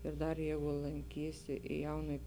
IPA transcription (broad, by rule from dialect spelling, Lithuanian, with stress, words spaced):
ɪr ˈdɐr ˈjɛɪɡʊ lˠɐŋʲˈkʲiːsʲɪ ɪ ˈjɛʊnuɔj